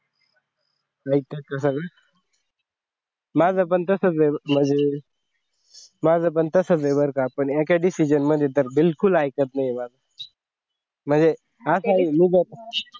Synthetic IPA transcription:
ait̪ekːas̬əɡɭə | mad͡zap̬əɳt̪əsət͡sem̤əɳd͡ze | mad͡zʱəp̬əɳt̪əsət͡sʋebəɾkapəɳekaɖisid͡ʑənməd̪ʱjet̪̬əɾbilkulajkət̪najmad͡zʱa | m̤əɳd͡ze | asaimiɡət̪

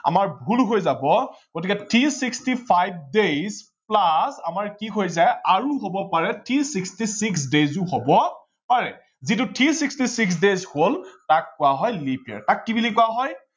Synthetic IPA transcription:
a̰maɹbʱulɦojzabɔɡ̥otikɛtʰisikstipʰajb̚dejz | plasamaɹkiɦojzajaɹuɦobɔpaɹɛtʰisikstisiks̬dezʊɦobɔ | paɹɛ | zit̬ʊtʰisikstisiks̬dezholtakːʊwaɦɔjlipʰɛ̰ɹtakːibilikʊwaɦɔj

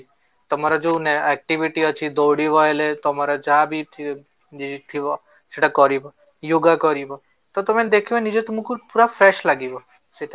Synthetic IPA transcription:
t̪əmaɾad͡ʒouneɛk̚ʈiʋiʈiət͡ʃʰid̪ɔwɽiɦɔelet̪ɔmaɾad͡ʒãbʱit̪ʰi | id͡ʒit̪ʰiɔ | d͡ʒeʈakɔɾibɔ | juɡakɔɾibɔ | t̪ot̪əmed̪ekʰiʋenid͡ʒet̪əmũkupuɾafɾɛʃlaɡiʋɔ | seʈ

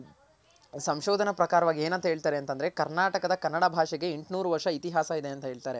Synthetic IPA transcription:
sɐmʃoːd̪ʱɐnɐpɾɐkaːɾɐʋaːɡieːnɐnt̪ɐɦeːɭt̪aːɾeɐnt̪ɐnd̪ɐɾe̞kɐɾnaːʈɐkɐd̪ɐkɐɾnːɐɽabʱaːʂɛɡe̞eɳʈnuːɾuʋɐɾʂɐit̪iɦaːsɐid̪e̞ɐnt̪ɐɦe̞ːɭt̪aːɾe

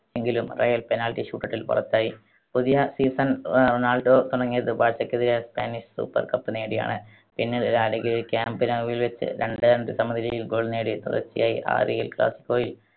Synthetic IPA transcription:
eŋɡilumrɐjɐlpe̞naːlʈːiɕuːʈːɐʈːilpɐ̰rɐt̪ːaːji | puðijɐsiːsɐnronaːlɖoːt̪uɽɐŋːijɐðɨbaːt͡ɕːɐkːeðiɾespa̰ːniɕsṵːpːɐ̰rkɐpːɨneːɽija̰ːɳɨ | pinːiɽɾaːlɐɡilikʲaːmbɨnɐʋjilʋet͡ɕːɨ̰ɾeɳɖɨɐɳɖɨsɐmːɐnʱiɾijilɡo̞ːɭneːɽit̪ṵrɐ̰t͡ɕːija̰ːjḭʔa̰ːrijḭlkla̰ːsi̥kʲːo̞ːjil

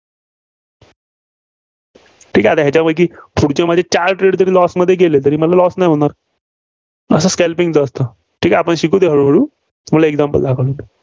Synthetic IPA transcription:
ʈʰiːkat̪aɦjat͡ɕabək̬iːpʰuɽt͡ɕẽmad͡ʑʱet͡ɕaɾʈɾeɖt̪əɾiːlɔsməd̪ʱːjeɡelet̪əɾiːməlalɔsnajɦoɽ̃aɾ | əsəskɛlpiŋɡt͡səːst̪ə | ʈʰiːkapəɳɕikʰuːd̪eɦəɭuːɦəɽuː | məlaeɡ̚d͡zampə̰ld̪ʱakʰɭun

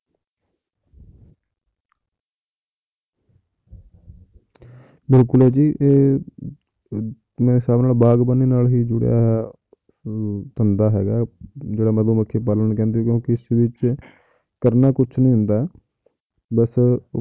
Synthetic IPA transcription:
bɪlkʊlɛːd͡ʒiːʔeː | mɛ̃ːɪsaːbnaːlbaːɡbənːiːnaːlɦiːd͡ʒʊɽja̰ːɦ | t̪ənd̪aːɦɛ̰ːɡaːd͡ʒeːɽaːməd̪õːməkʰːeːp̬aːlənkɛ̃ːnd̪iːkjõːkɪɪsʋɪt͡ʃ | kəɾnaːkʊt͡ʃʰnĩːɦʊnd̪aː | bəs

